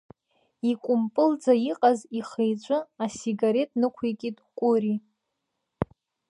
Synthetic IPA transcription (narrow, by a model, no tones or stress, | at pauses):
ikʷʼʊmpʼɨld͡zaiqʼaziχejd͡ʒʷʼʊasiɡaɾe̞tʼnɨkʷʰekʲʼitʼkʷʼʊɾi